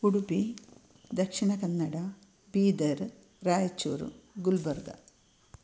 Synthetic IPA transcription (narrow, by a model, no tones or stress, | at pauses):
uɽupi | d̪ɐkʂiɳɐkɐnːɐɽɐ | biːd̪ɐɾ | raːjɐt͡ɕːṵːɾṵɡulbɐrd̪ɐ̰